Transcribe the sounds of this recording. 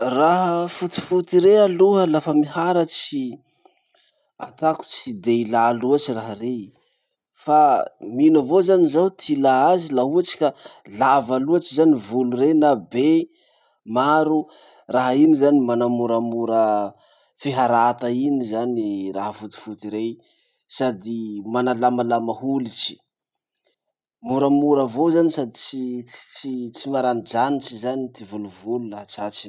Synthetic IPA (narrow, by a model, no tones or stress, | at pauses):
raɦəfut̪i̥fut̪iɾealuɦəlafəmihaɾət͡si | a̰t̪aku̥t͡sid̪eilaːluat͡ʃiraɦare | faminəvozanizat̪ʰilaazilauat͡ʃi̥ka | lavaluat͡ʃizanivulurenabe | maɾu | raɦainizanimanamuɾamuɾə | fiɦaɾat̪ainizaniraɦəfut̪i̥fut̪iɾej | sad̪imanalamalamahulit͡ʃi̥ | muɾamuɾəvozanisad̪it͡ʃii̥t͡ʃit͡simaɾanid͡ʒanit͡ʃizanit̪ivuluvululaɦat͡ʃat͡ʃi̥